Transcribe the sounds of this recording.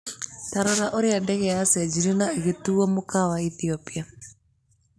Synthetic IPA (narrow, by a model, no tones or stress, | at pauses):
taɾɔɾaʔoɾiadɛɣɛasɛd͡ʒiɾinaeɣituɔmokawaiθiɔpia